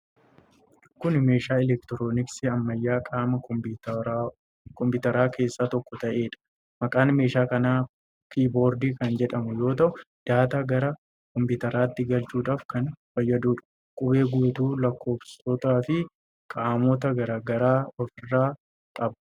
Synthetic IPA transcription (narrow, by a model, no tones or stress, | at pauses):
kʊnme̞ːʃaːɛlɛkt̪ɪɾoːnɪksɪɐmːɐjːaːkʼaːmɐ | kɔmpʊːt̪ɐɾaːkʰe̞ːsːaːt̪ɔkːɔt̪ɐʔe̞ːᶑɐ̥ | mɐkʼaːnme̞ːʃaːkɐnaː | kiːbo̞ːɾd̪iːkɐnd͡ʒɛᶑɐmʊjo̞ːt̪ɐʔʊ | d̪̥aːt̪aːɡɐɾɐ | kɔmpɪt̪ɐɾaːt̪ːɪɡɐlt͡ʃuːᶑaːfkɐnfɐjːɐd̪uːᶑɐ̥ | kʼʊbe̞ːɡuːt̪uːlɐkːo̞ːbsɔt̪aːfɪ | kʼaːmɔt̪ɐɡɐɾaːɡɐɾaːɔfɪrːaː | kʼɐb